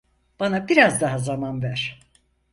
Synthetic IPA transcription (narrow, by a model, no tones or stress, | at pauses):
b̥anabiɾazd̪aɦazamanvæɾ̥